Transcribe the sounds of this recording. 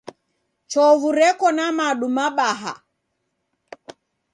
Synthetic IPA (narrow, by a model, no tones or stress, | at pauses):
t͡ʃɔvuɾɛkɔnamaɗumaɓaɦa̰